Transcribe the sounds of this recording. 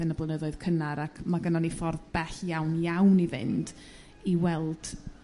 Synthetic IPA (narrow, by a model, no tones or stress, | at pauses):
ɪnablˠənəðɔɨð̥kʰənaɾakʰmaɡənɔnifɔrðb̥ɛɬjawnjawnivɪ̰nd̥ | iwɛlˠd̥